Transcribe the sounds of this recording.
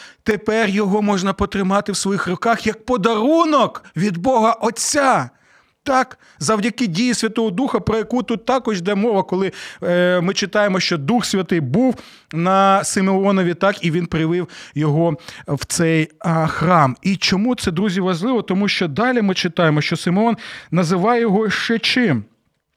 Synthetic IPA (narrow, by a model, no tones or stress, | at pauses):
t̪epɛrjɔɦɔmɔʒnɐpɔt̪ɾɪmɑt̪ɪwsʋɔjixrʊkɑxjɐk̚pɔd̪ɐɾunɔkʋʲid̪bɔɦɐʔɔt͡sʲːa | t̪ɑk | zɐwdʲɐkɪdʲijisʲʋʲɐt̪ɔɦɔd̪uxɐpɾɔjɐkut̪ut̪ːɑkɔʒd̪ɛmɔʋɐkɔlˠɪ | mɪt͡ʃɪt̪ɑjemɔʃt͡ʃɔd̪uxsʲʋʲɐt̪ɪjbuw | nɐsɪmeɔnɔʋʲit̪ɑkiʋʲinpɾɪʋɪwjɔɦɔwt̪sɛjxɾɑmit͡ʃɔmut̪sɛd̪ɾuzʲiʋɐʒlˠɪʋɔt̪ɔmuʃt͡ʃɔd̪ɑlʲimɪt͡ʃɪt̪ɑjemɔʃt͡ʃɔsɪmeɔnːɐzɪʋɑjjɔɦɔʃt͡ʃɛt͡ʃɪm